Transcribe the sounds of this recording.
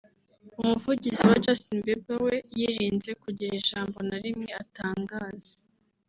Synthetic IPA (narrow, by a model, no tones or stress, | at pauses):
umuvuɟiziwad͡ʒastinbebawe̞jiɾiːnze̞kuɟiɾeʒaːmbo̞naɾimɲeataːŋɡaːz̥e̥